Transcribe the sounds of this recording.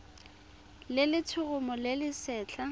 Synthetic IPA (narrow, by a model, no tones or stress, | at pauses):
lɪlɪt͡sʰʊɣʊmɔlɪlɪsɛːt͡ɬʰa